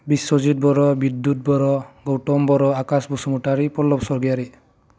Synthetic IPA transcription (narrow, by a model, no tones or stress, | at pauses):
bisːɔzit̚bɔɾɔbid̪ːut̪̚bɔɾɔɡowʈɔmbɔɾɔakasbusumuʈaɾipɔlɔpsɔɾɡijaɾi